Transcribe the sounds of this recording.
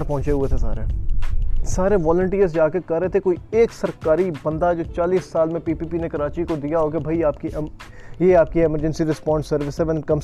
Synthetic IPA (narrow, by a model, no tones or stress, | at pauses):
ɾpɔɦʊ̃t͡ʃeɦʊet̪ʰesa̰ːɾe | saːɾeʋɔːlə̃ɳʈiːəɾzd͡ʒaːkekɐɾːeɦet̪ʰekoːieːksɐɾkaːɾibɐ̃nd̪aɛd͡ʒoːt͡ʃaːliːsːaːlmẽpiːpiːpinekɐɾaːt͡ʃikod̪ijaɦoːkebʱaiaːpkiʔ | jeːaːp̚kieməɾd͡ʒə̃nsiɾɪspɔ̃ːɳɖsɐɾʋɪsɦɛʋɛnkɐm